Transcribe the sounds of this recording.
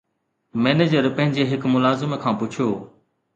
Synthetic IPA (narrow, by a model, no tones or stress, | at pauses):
mɛːned͡ʑəɾpə̃ɦɪ̃ɲd͡ʑeːɦɪkmʊlaːzɪmkʰãːpʊt͡ʃʰjoː